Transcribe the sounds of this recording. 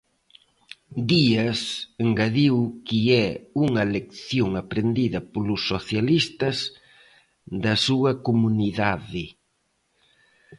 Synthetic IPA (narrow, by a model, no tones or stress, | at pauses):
d̪iɐseŋɡaðiwkiɛuŋɐlekθjoŋapɾend̪iðɐpolʊsːoθjalist̪ɐz | ðɐsuɐkomuniðaðɪ